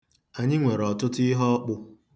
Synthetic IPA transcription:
a˨ɲɪ˦ŋʷe˨ɾɔ˨tʊ˦tɪ˦ɪ˦ɦɔ˦k͡pʊ˦

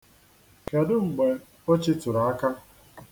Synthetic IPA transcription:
ke˨dʊ˦ŋ͡m̩˨ɡ͡be˨ | o˦t͡ʃɪ˦tʊ˨ɾa˨a˦ka˦

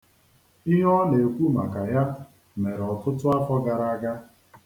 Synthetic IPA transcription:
i˦ɦɔ˦ne˨kʷu˦ma˨ka˨ja˦ | me˨ɾɔ˨tʊ˦tʊ˦a˦fɔ˦ɡa˨ɾa˦ɡa˦

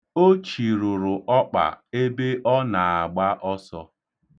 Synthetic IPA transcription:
o˦t͡ʃi˨ɾʊ˨ɾʊ˨ʔɔ˦k͡pa̰˨e˦be˦ʔɔ˦na˨a˨ɡ͡ba˦ʔɔ˦sɔ˦

